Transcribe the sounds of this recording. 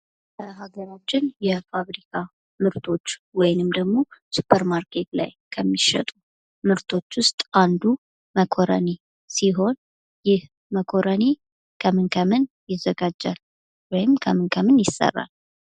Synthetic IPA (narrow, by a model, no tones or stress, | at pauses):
bəɦaɡəɾat͡ʃːɪnjɛfaβɾikʰa | mɨɾt̪ʰo̞t͡ʃːwɔjnɨmd̪əɡmo̞supʰːəɾmaɾkʰet̪la̰jkʰəmːiʃɛ̰t̪ʼu | mɨɾt̪ʰo̞t͡ʃːwʊst̪ʼand̪u | məkʰo̞ɾə̰ne | siɦo̞n | jɪh | məkʰo̞ɾəne | kʰəmɨnkʰəmɨnjɪzːəɡad͡ʒːa̰l | wɔjɪmkʰəmɨnkʰəmɨnjɪsːə̰rːa̰l